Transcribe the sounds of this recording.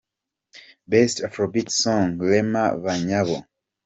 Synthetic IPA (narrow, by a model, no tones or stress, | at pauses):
bɛstafɹɔbitsɔ̃ŋlɛma̰vaɲaβɔ